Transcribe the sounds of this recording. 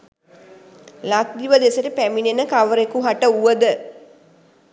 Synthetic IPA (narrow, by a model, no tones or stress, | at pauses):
lat̪d̪iʋəd̪esəʈəpæminenəkaʋəɾekuɦaʈəuʋəd̪ə